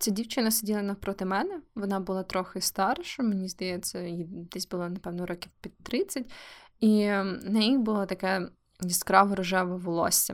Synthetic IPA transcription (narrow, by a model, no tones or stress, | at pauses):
t͡sʲɛdʲiwt͡ʃɪnɐsʲɪdʲilˠɐnɐpɾɔt̪ɪmɛnɛʋɔnɑbʊlˠɑt̪ɾɔxɪst̪ɑɾʃɐmenʲizd̪ɐjɛt͡sʲːɐid̪ɛsʲbʊlˠɔnɐpɛʋnɔɾɔkʲiwpʲitt̪ɾɪt͡sʲːɐtʲinɐjibʊlˠɔt̪ɐkɛ | iskɾɑʋɔɾɔʒɛʋɐʋɔlˠɔ̰sʲːɐ